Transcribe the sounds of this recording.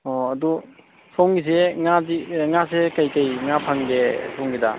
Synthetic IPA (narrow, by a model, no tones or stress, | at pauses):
ɔɐdu | sowŋɡis̬eŋadiŋasekajkajŋapʰaŋɡesʰowŋɡida̰